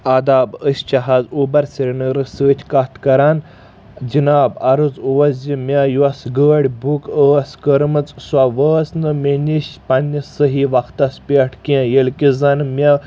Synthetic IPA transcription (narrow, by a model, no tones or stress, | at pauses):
ɐd̪aːbəsʲt͡ʃɐɦaːzuːbɐɾsʲiɾʲinɨɾɨsəːt͡ʃʲʰkat̪ʰkɐɾaːn | d͡ʒinaːbɐɾɨzuʋɐzʲimʲɐjuʋɐsɡəːɽʲbʱukəɐskəɾmɨt͡sswaʋəːsnɨmenʲiʃʲpɐnʲːisəɦiʋɐkt̪ɐspʲeʈʰkẽjəlʲkizɐnmʲɐ